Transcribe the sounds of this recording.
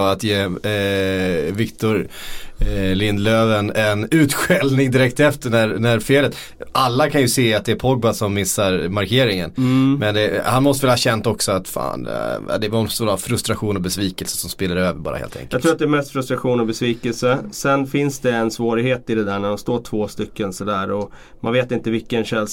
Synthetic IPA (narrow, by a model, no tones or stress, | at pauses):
at̪jeː | vɪkt̪ʊɾ | lɪnd̪løːvənɛnʉ̟ːt̪ɧɛlnɪŋd̪ɪɾɛk̚t̪ɛft̪əɳæɾɳæɾfeːlət̪ | ʔalːakʰanjɵseːat̪̚d̪ɛæɾpʰɔɡ̚basɔmːɪsːaɾmaɾkʰeːɾɪŋə̰nmɛnd̪ɛhanmɔst̪əvɪlːahɑːɕɛnt̪ɔksɔat̪fa̰ːna̰d̪ɛvst̪uːlafɾɵst̪ɾaɧuːnɔbɛsviːkəlsə̥sɔmspeːlːaɾøːvəɾbɑ̰ːɾa̰hḛlt̪ʰɛ̰ŋjkəjːɡ̪ʰɾuːat̪d̪ɛmɛst̪fɾɵst̪ɾaɧuːnɔbɛsviːkəlsəsɛnfɪnsd̪ɛːnsvoːɾɪheːt̪ɪd̪ɛd̪æːɳæɖɔmst̪oːʈʰv̥oːst̪ʏkːənsɔd̪æːɾɔ | manveːt̪ɪnt̪əvɪkːənɕɛl